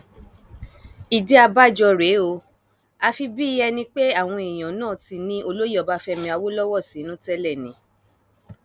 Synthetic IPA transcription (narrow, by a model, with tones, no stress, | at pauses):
i˨de˨˦a˧ba˦˨d͡ʒɔ˧ɾe˨˦o˧ | a˧fi˧bi˦i˦ɛ˧nĩ˧k͡pe˦a˦˨w̃ɔ̃˧e˨j̃ã˨nãː˦˨ti˧nĩ˦o˧lo˦jɔ˨˦ba˧fɛ˧mĩ˧a˧wo˦lɔ˦wɔ˦˨si˨˦nũ˦tɛ˦lɛ˦˨nĩ˨˦